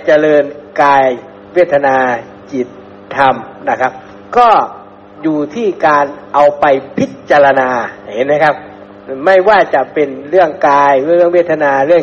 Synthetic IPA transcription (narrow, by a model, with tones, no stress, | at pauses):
t͡ɕa˧lɤː˧nkaː˧j | we˦˥˩t̪ʰːa˧naː˧ | t͡ɕi˨˩t̪ʰː | a˧m | na˥˩kʰa˦˥p̚ | kɔː˥˩ | juː˨˩t̪ʰiː˥˩kaː˧nʔa˧wpa˧jpʰi˦˥t̪̚t͡ɕa˧la˧naː˧˩he˨˦nma˦˥jkʰa˦˥p̚ː | ma˥˩jwaː˥˩t͡ɕa˨˩pe˧nɾɯ˥˩əŋkaː˧jɯ˥˩əŋweː˥˩t̪ʰːa˧naː˧ɾɯ˥˩əŋ